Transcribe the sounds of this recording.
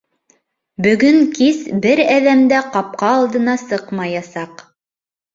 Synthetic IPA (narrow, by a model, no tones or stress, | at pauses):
bɵ̆ɡɵŋkisbɘɾæðæmd̪æqɑp̚qɑːlˠd̪ɤ̆nɑsɤqmɑjɑsɑq